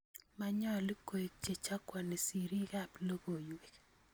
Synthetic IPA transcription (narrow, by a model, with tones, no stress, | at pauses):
ma˨ɲɔ˦˨lɪ˦ko˨i˨k̚t͡ʃe˨t͡ʃa˦kwɔ˨ni˨si˨ɾi˦ka˦˨plo˦ɡo˨jwe˨k